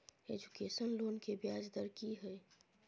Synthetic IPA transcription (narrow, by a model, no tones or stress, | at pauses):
ed͡ʒukeːsənloːnkebjaːd͡ʒd̪əɾkiɦɛː